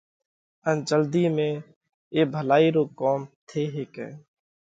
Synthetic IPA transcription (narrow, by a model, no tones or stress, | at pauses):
ənd͡ʒəld̪iːmẽː | eːbʱəlaːiːɾoːkoːmt̪ʰeːɦeːkɛ̰̃ː